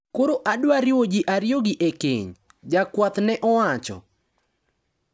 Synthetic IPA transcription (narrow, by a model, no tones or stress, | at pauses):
koɾoʔadwaɾɪwod͡ʒɪʔaɾjoɡɪʔekḛɲ | d͡ʒakwat̪nɛʔɔwat͡ʃɔ̰